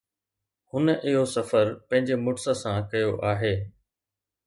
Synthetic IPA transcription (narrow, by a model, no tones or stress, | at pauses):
hʊnʔɪɦosɐfəɾpɐ̃ɦɪ̃ɲd͡ʑemʊʈsəsãkɐjoʔaːɦeː